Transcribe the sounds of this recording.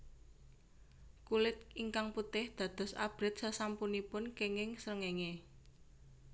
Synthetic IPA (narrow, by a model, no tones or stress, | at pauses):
kulɪt̪̚iŋkaŋput̪ɪhd̪̥ä̤d̪̥ɔ̤sa̰b̥ɾɪt̪̚sasampunipʊnkeŋɪŋsɾəŋeŋe